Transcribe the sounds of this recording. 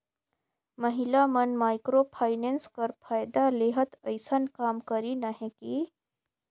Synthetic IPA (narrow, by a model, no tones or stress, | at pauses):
məɦilamənmaːjkɾopʰaːɪnenskəɾpʰaːjd̪aleɦət̪əɪsənkaːmkəɾinaɦẽki